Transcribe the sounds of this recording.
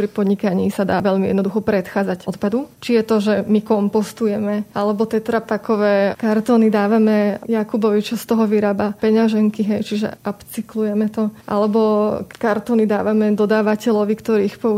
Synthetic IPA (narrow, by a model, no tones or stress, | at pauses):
pɾipɔd̪ɲikaɲiːsad̪a̰ːʋɛʎmiɛ̰d̪nɔd̪uxɔpɾɛt̪xaːd͡zacɔt̪pad̪ut͡ʃijɛt̪ɔʒɛmikɔmpɔst̪ujɛmɛʔalɛbɔt̪ɛt̪ɾapakɔʋɛːkaɾt̪ɔːnid̪aːʋamɛjakubɔʋit͡ʃɔst̪ɔɦɔʋiɾaːbapɛɲaʒɛŋkiɦɛjt͡ʃiʒɛ̰ʔapt͡siklujɛmɛt̪ɔʔa̰lɛbɔkaɾt̪ɔːnid̪aːʋamɛd̪ɔd̪aːʋacɛʎɔʋikt̪ɔɾiːxpɔu